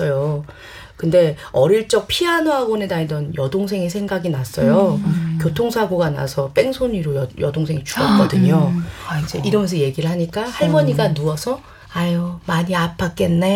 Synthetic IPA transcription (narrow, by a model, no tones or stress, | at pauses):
ʌjo | kɯnde̞ʌɾiɭt͡ɕ͈ʌk̚pʰianoɦaɡonedaidʌnjʌdoŋs̬ʰe̞ŋe̞sʰe̞ŋɡaɡinas͈ʌjokjotʰoŋsʰaɡoɡana̰sʰʌp͈e̞ŋsʰoɲiɾojʌjʌdoŋsʰe̞ŋit͡ɕu̥ʌk͈ʌdɯɲoid͡ʑe̞ʔiɾʌmʌns̬ʰʌje̞ɡiɾɯɭɦaɲik͈ahaɭmʌɲiɡanuʌsʰʌ | ajomaɲiapʰːak̚k͈e̞nːe̞